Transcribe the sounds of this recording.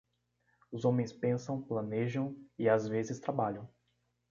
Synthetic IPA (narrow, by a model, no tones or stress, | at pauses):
ʊzõmẽj̃spẽsɐ̃w̃plɐ̃neʒɐ̃w̃ɪazvezɪst̪ɾabaʎɐ̃w̃